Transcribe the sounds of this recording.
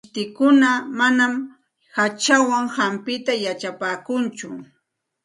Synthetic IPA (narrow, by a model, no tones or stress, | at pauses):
t̪ɪkʊnamanam | hat͡ʃawaŋhampɪt̪ajat͡ʃapaːkʊnt͡ʃʊ̰